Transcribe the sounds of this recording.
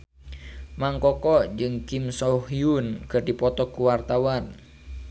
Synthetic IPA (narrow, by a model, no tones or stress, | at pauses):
maŋkɔkɔʔd͡ʒɨŋkimsɔhiunkɨrdipɔt̪ɔkuwart̪awan